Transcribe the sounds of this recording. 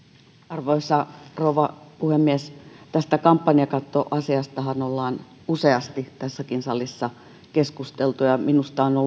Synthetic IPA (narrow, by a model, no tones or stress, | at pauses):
ɑrʋoisɑrouʋɑpuhemːiɛst̪æst̪ækɑmpːɑniɑkɑt̪ːoʔɑsiɑst̪ɑhɑnolːɑːn | useɑst̪it̪æsːækinsɑlisːɑ | keskust̪elt̪ujɑminust̪ɑːno